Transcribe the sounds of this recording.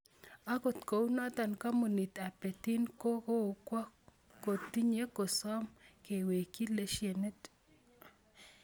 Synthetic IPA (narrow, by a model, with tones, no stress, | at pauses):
a˦ko˨t̪ko˨wna˦t̪a˨nka˦mo˨ni˨t̪a˨pe˨t̪i˦nko˦ko˦o˨kwa˦ | ko˨t̪ːi˦ɲe˦ko˨sɔ˦mke˨we˨ki˦le˦ʃje˨ne˦t